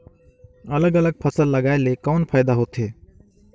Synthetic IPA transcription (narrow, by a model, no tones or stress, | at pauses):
ɐləɡələɡ̚pʰəsəlːɐɡaːelekɔːnpʰaːɪd̪aɦoːt̪ɦeː